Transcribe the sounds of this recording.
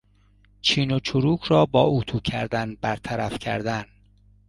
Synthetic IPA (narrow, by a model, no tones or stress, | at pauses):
t͡ʃʰiːnot͡ʃʰoɾuːkʰɾɒːbɒːʔut̪ʰuːcʰæ̰ɾd̪ænbæɾt̪ʰæɾæfcʰæ̰ɾd̪æn